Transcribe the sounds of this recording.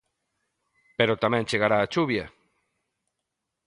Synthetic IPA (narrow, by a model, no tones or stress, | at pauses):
peɾot̪amɛ̃nt͡ʃeɣaɾaːt͡ʃuβjɐ